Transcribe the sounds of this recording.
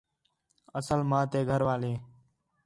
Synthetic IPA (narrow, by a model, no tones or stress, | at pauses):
əsəlmãːt̪eːɡʱəɾʋaːleː